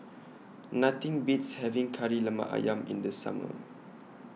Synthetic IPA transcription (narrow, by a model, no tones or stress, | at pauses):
nat̪ĩŋbitshɛvĩŋkʰaɹilama̰ʔa̰jãmḭ̃nd̪əsa̰mə̰